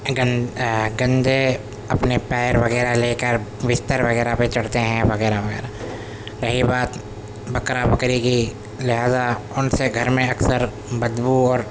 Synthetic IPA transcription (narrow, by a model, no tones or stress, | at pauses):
ɡnɡɐ̃nd̪ʱe | ɐpnepɛːɾʋɐɣɛːɾaleːkəɾʋɪst̪əɾʋɐɣɛːɾapet͡ʃɐɽt̪eɦɛ̃ʋɐɣɛːɾaʋɐɣɛ̰ːɾa | ɾɐɦibaːt̪ | bɐkɾabɐkɾiki | lɪɦaːzaʊnseɡʱɐɾmẽɐksəɾ | bɐd̪buɔːɾ